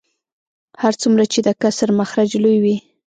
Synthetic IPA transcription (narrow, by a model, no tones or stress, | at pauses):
haɾt͡sumɾat͡ʃed̪əkasəɾmaxɾad͡ʒlujwi